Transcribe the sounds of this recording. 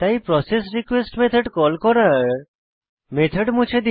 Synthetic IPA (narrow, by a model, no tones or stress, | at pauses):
t̪aipɾɔses̬ɾikwesʈmet̪ʰəɖkɔlkɔɾaɾ | met̪ʰəɖmũt͡ʃʰed̪i